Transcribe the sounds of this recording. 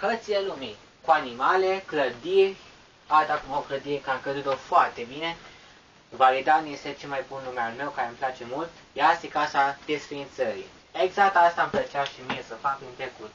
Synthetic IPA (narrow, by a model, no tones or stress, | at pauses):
hət̪silelumi | kuanimalekləd̪irʲ | alt̪akumokləd̪ikəakəd̪ut̪ofoart̪e̞bine̞ | valid̪anjeset͡ʃelmajbunlumealme̞wkaɾemplat͡ʃe̞mult̪jasikasad̪̥esfɾiint̪səɾi | eɡzak̚t̪ast̪amplət͡ʃaʃimiesəfakɨnt̪ɾekut̪